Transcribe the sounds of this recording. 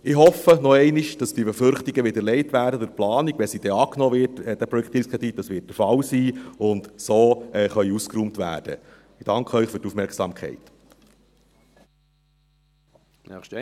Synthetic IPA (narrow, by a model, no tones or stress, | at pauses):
ɪhɦɔfːənɔɛɪniʃd̥ɑsd̥ibefʏɾχtiɡəʋɪdəɾlɛɪtʋæːɾdədʊɾplɑːniɡ̥ʋɛsid̥ɛɑːknɔːʋɪtɛːd̥æpɾɔɛkʰtiskʰʁɛd̥̪it̚d̥ɑsʋɪːt̚d̥əɾfɑlsiːʊndsoːɛːχœʏuskɾuːmtʋæ̰ːd̥ə̰ | d̥ɑŋkχəœʏχfyɾtufmɛɾksɑ̰ːmkχɛ̰ɪt | ɛʃ